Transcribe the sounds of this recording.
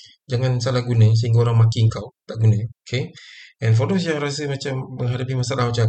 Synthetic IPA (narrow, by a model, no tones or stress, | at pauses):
d͡ʒaŋansalahɡunəs̬əɦiŋɡaoɾaŋmakiəŋkawt̪aʔɡunəokʰeɛnf̬odos̬jaŋɾasəmat͡ʃamːəŋɦadapimasalaɦat͡ʃa